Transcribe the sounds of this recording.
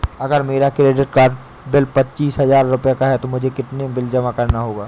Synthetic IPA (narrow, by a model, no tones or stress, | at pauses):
ɐɡəɾmeːɾakɾeːɖɪʈkaːɾɖ | bɪlpɐtːt͡ʃiːsɦɐzaːɾːʊpjakaɦɛt̪omʊd͡ʒʱekɪt̪nebɪld͡ʒɐmakɐɾnaɦoːɡaː